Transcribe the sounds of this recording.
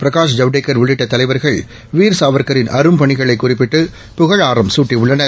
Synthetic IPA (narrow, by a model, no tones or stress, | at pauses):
pɪɾɐkaːʂ̬d͡ʒɐʋɖekːɐɾʋɪɭɪʈːɐt̪ːɐlɐɪʋɐɾɣɐɭ | ʋiːɾsaːʋɐɾkɐɾɪnʔɐɾɯmpɐɳɪɣɐɭɐɪkːʊrɪp̬ːɪʈːɯ | pʊɣɐɻaːɾɐmsuːʈːiʊɭːɐnɐ